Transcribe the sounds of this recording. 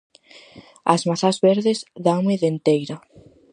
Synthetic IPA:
a̰zmaθazβeɾðezðawŋeðent̪ejɾa

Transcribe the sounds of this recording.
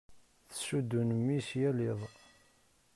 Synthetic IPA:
θə̥sud̪ːunmːisjælɪðˤ

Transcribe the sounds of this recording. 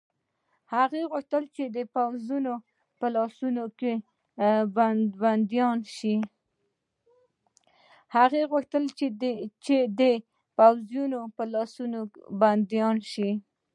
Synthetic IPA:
haɣeɣʊxt̪əlt͡ʃed̪əpawzuno | pəlɑsunoke | bband̪jɑnʃi | haɣeɣʊxt̪əlt͡ʃet͡ʃed̪ə | pawzjunopəlɑsunoband̪jɑnʃi

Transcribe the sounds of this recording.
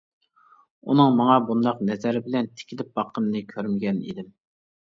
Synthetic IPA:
unɨŋmɑŋɑbund̪ɑqnɛzæɾɪbɪlɛnt̪ʰɪ̥kʲʰilɪp̚bɑqʰːənnɨkʲʰøɾmɪɡʲɛnḭd̪ɪm

